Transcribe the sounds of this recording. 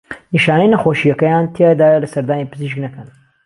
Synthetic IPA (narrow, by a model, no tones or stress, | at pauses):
niʃaːnɐjnɐxoːʃijɐkɐjant̪ʰed̪aːjɐlɐsɐɾd̪aːnipɨziʃknɐkɐn